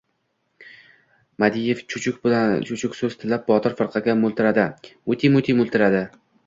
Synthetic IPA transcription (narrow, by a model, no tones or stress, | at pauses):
mad̪ijeft͡ʃʰʊt͡ʃʰʊkʲbt͡ʃʰʊt͡ʃʰʊkʲsɵzt̪ʰɪlːap̚bɒt̪ʰɪɾfɪɾqʰɑɡʲamʊlˠt̪ɪɾad̪ɪʊt̪ʰimʊt̪ʰimʊlˠt̪ʰɪɾad̪ɪ